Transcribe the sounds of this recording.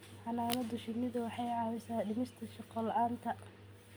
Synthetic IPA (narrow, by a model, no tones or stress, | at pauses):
ħɑnaːlɐd̪ʊʃɪmɪðʊwɑħɑjʕɑːwɪsaːɖɪmɪst̪ʰɐʃɑqɔlɐʔaːnt̪ʰɐ